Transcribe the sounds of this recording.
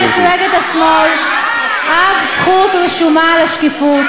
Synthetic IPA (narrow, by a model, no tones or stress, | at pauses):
ifuʁeɡet̪asmol | ʔadsχut̪leʃumalaʃkifut